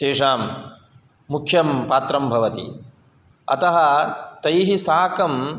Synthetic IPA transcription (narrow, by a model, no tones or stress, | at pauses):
ʃeːʂaːmː | ukʰjɐmpaːt̪ɾɐmbʱɐʋɐt̪ḭ | ɐ̰t̪ɐɦɐt̪ɐjɦisaːkɐm